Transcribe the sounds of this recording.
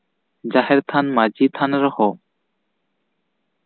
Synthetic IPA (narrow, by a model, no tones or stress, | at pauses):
d͡ʑaɦɛɾt̪ʰanmad͡ʑit̪ʰanɾɔhɔ